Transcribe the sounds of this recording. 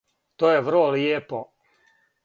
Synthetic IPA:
t̪oːjeʋr̩loljeːpo

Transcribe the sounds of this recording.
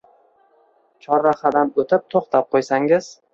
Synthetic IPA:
t͡ʃʰɒɾːaχad̪anot̪ʰɪp̚t̪ʰoχt̪ʰap̚qʰojsaŋɪz̥

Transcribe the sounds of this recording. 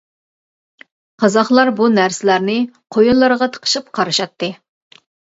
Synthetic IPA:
qʰɑzɑχlˠɑɾbunæɾsɪlæɾnɪqʰojunlːˠɨɾʁɑt̪ʰə̥qʰə̥ʃɨp̚qʰɑɾɨʃɑt̪ːɨ

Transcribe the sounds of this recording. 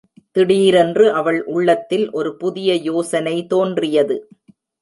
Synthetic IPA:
t̪ɪɽiːɾɛndrɯʔɐʋɐɭʔʊɭːɐt̪ːɪlʔɔɾɯpʊðɪjɐjoːsɐnɐɪt̪oːndrɪjɐðɯ

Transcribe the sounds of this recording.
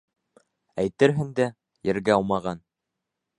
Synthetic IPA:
æjt̪ɘ̆ɾɦɘŋd̪æ | jɘ̆ɾɡæɑw̪ˠmɑʁɑn

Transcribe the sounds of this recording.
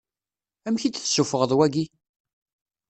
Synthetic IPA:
æmçid̪θsufəʁəðˤwæɡi

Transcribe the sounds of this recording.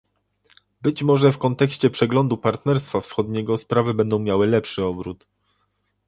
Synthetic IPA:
bɘt͡ɕmɔʐɛfkɔnt̪ɛkɕt͡ɕɛpʂɛɡlɔnd̪upaɾt̪nɛɾst̪fafsxɔd̪ɲɛɡɔspɾavɘbɛnd̪ɔ̃w̃mʲjawɘlɛpʂɘɔbɾut̪

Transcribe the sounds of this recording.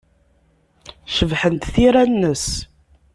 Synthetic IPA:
ʃəvħənt̪θiɾænːəs

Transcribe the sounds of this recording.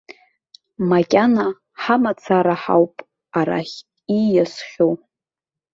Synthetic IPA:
makʲʼana | ħamat͡sʰaɾaħa̰wpʼ | aɾa̰χʲʼ | ijasχʲow

